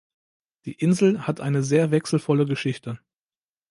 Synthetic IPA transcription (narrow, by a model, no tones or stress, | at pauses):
d̥iːʔɪnzl̩hatʔaɪnəzeːɐvɛksl̩fɔləɡəʃɪçtʰə